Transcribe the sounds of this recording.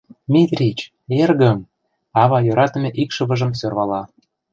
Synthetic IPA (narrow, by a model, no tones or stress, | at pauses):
mʲit̪rʲit͡ɕ | erɣə̆m | ɑβɑjoɾɑt̪ə̆mʲeʔikʃɤ̆βɤ̆ʒə̆msørβɑlɑ